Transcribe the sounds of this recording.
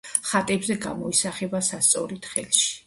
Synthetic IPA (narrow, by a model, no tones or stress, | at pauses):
χat̪ʼɛbzɛɡa̰mɔisaχɛbasast̪sʼɔ̰ɾit̪ʰχɛ̰lˠʃi̥